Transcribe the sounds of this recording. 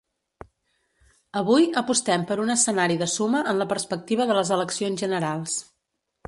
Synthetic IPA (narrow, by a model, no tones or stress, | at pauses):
əβujəpust̪ɛmpəɾunəsənaɾiðəsuməʔənləpəɾspək̚t̪iβ̞əðələzələksionzʒənəɾalˠs